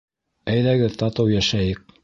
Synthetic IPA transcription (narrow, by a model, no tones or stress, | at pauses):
æjðæɡɘðt̪ɑt̪ɤwjæʃæjɘk̚